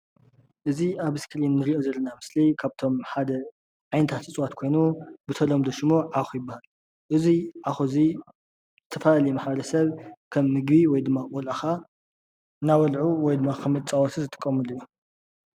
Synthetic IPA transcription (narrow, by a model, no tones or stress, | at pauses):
ʔɨziaβɨskʰɨlinːɨɾiʔozɐlːɐnamɨslikʰaβt̪ʰo̞mħad̪ɐ | ʕajnɐt̪ʰat̪ʰɨt͡sʼwat̪kʰo̞jnubɨt̪ʰɐlomd̪ɐʃmoʕaxujɪbːahal | ʔɨziʕaxozi | zɨt̪ʰɐfɐlalɐjimaħbɐɾɐsɐβkʰɐmːɨɡbiwɔjd̪ɨmːaʔʼɔlaxa | nawɐlʕuwɔjd̪ɨmːakʰɐmɨt͡sʼawɔt̪ʰɨzɨt̪ʰʼɨ̥kʼːɐmɨlɨju